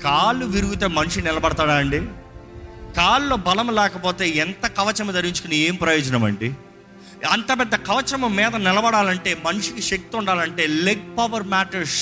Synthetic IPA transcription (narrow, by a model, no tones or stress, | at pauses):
kaːlːuʋiɾuɡut̪eːmɐniʂinɪlɐbɐɽɐt̪aːɽaːɐɳɖi | kaːlːo̞ːbɐlɐmlɛːkɐpoːt̪e̞ːɛnt̪ɐkɐʋɐt͡ʃɐmɐd̪ɐɾiɲt͡ʃu̥kunieːmpɾɐjɔːd͡ʒɐnɐmɐ̰ɳɖi | ɐnt̪ɐpɛd̪ːɐkɐʋɐt͡ʃɐmɐmɛːd̪ɐnɪlɐbɐɽaːlɐɳʈe̞ːmɐniʂikiʃek̚t̪iuɳɖaːlɐɳʈe̞ːleɡ̚pɐʋɐɾmaːʈɐɾs